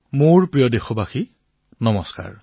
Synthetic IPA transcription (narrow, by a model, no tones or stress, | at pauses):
moɹpɹijɔdexɔbaxi | nɔmɔska̰ɹ